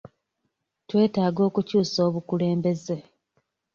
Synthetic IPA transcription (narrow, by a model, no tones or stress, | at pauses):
twe̞ːtaːɡo̞ːkucuːso̞ːβukule̞ːmbe̞ze